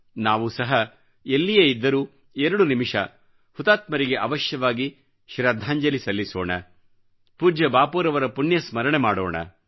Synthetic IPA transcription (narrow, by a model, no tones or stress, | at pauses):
naːʋusɐɦɐ | elːijɐid̪ːɐɾuː | eɾɐɽunimiʂɐ̰ | hut̪aːt̪mɐɾiɡe̞ʔɐʋɐʃjɐʋaːɡi | ʃɾad̪ʱaːɲd͡ʒɐlisɐlːisoːɳɐ | puːɾd͡ʒɐbaːpuːɾɐʋɐɾɐpuɳjɐsmɐɾɐɳemaːɽoːɳɐ̰